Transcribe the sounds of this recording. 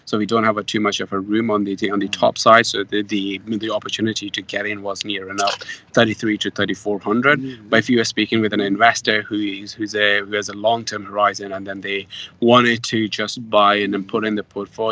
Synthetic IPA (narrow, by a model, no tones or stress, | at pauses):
soʊwidõʊ̃nthəvətʰʉmʌt͡ʃʌv̥ə˞ɹʉ̃mə̃nðɨə̃nðɨtʰɔ̰psaɪd̥soʊððiðiɑpə˞tʰjʉnɨɾiɾɨɡɛɾɪ̃nwʌznɪɹɨ̃nʌfθɜ˞ɾiθɹiɾɨθɜ˞ɾifɔɹhʌ̃ndɹɨd̚b̥ʌɾɨfwiwə˞spikɪ̃ŋwɨðɨ̃nɪ̃ɱvɛstə˞hʉɪzhʉzɨhʉɨzəlɔ̃ŋtʰɜ̃˞mhə˞aɪzɨ̃nə̃nðɨ̃nðeɪwɑ̃ɾ̃ɪd̚tʰɨd͡ʒʌsb̥aɪɨ̃nðɨ̃npʰʊɾɨ̃nðəpʰɔɹtfo